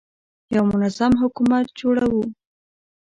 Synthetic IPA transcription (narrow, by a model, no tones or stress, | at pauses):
jawmʊnazamɦʊkumat̪̚d͡ʒoɽawu